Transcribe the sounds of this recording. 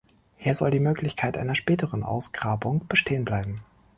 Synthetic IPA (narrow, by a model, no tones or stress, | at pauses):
hiːɐzɔldiːmøːklɪçkʰaɪtʔa̰ɪnɐʃpɛːtəʁənʔa̰ʊsɡ̥ʁaːbʊŋb̥əʃtʰeːənblaɪbm̩